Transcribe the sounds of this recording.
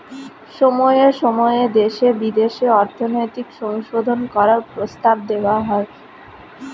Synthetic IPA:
ʃɔmɔeeɾʃɔmɔeed̪eʃebid̪eʃeɔɾt̪ʰonɔjt̪ikʃɔŋʃod̪ʱonkɔɾaɾpɾost̪ab̚d̪eoaɦɔe

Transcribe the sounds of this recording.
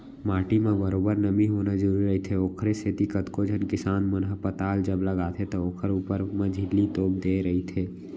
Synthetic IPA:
maːʈimãbəɾoːbəɾnəmiɦoːnad͡ʒəɾuːɾiɾɐɦit̪ʰeoːkʰɾesʰet̪ikət̪kod͡ʒʱənkɪsaːnmənɦəpət̪aːld͡ʒəbləɡaːt̪ʰet̪ɔoːkʰəɾuːpəɾmãd͡ʒʱɪlːit̪oːb̚d̪eːɾɐɦit̪ʰeː

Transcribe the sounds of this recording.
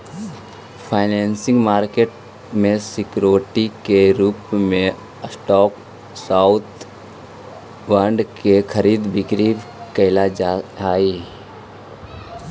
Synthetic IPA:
pʰaːɪneːnsɪ̃ŋɡmaːɾkeʈ̚ | mẽsɪkɾoːʈikeɾuːpmẽ | əsʈɔːk | saːʊt̪ʰ | ʋəɾɳɖkekʰəɾiːd̪bɪkɾiːkəɪlad͡ʒaaːiː

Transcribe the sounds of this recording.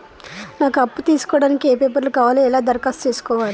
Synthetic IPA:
naːkuɐpːut̪iːsu̥kɔːɽaːnikieːpeːpɐɾlukaːʋaːleɛlaːd̪ɐɾkaːst͡ʃeːsu̥kɔːʋaːɾi

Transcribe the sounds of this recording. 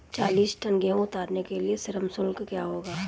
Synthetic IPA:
t͡ʃaːliːsʈɐŋɡẽõʊt̪aːɾnekeliesɪɾəmsʊlkkjaːɦoːɡaː

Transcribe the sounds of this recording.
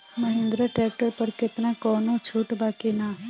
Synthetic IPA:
məɦɪ̃nd̪ɾəʈɾɛːk̚ʈəɾpəɾkɪt̪nakɔːnot͡ʃʰuːʈbaːkina

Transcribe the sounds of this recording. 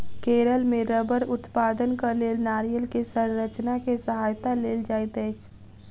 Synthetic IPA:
keːɾəlmẽɾəbəɾʊt̪paːd̪ənkəleːlnaːɾijəlkesəɾɾət͡ʃnakesəɦaːjt̪aleːld͡ʒaːt̪ɛt͡ʃʰ

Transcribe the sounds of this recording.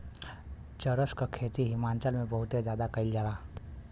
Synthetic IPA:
t͡ʃəɾəskakʰeːt̪iɦɪmaːnt͡ʃəlmẽbəɦʊt̪ezjaːd̪akəɪld͡ʒaːla

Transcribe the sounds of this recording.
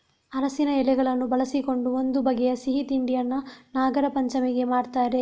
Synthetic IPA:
ɐɾɐsinɐɛlɛɡɐɭɐnːubɐɭɐsiko̞ɳɖuo̞nd̪ubɐɡejɐsiɦit̪iɳɖijɐnːɐnaːɡɐɾɐpɐɲt͡ʃɐmeɡe̞maːɖt̪aːjɾe

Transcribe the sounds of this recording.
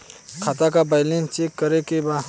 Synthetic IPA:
kʰat̪akabalĩnt͡ʃekːɐɾekeba

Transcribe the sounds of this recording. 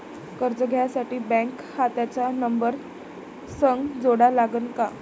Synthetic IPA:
kəɾd͡zəɡʱjasaʈiːbɛ̃ŋk | hat̪jat͡sanəmbəɾ | səŋɡd͡zoɽalaɡənka

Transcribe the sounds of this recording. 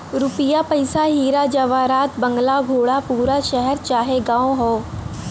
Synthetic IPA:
ɾupjapəjsaɦiːɾad͡ʑəʋaɾaːt̪bəŋɡlaɡʱoːɭapuːɾaʃəɦɛɾt͡ɕaɦeɡãwɦo

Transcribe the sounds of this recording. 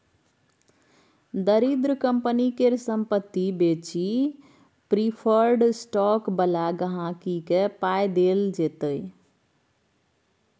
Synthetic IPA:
d̪əɾid̪ɾəkəmpənikeɾsəmpət̪ːibet͡ʃi | pɾipʰəɾɖsʈɔkbəlaɡəɦãkikepajd̪eld͡ʒet̪əj

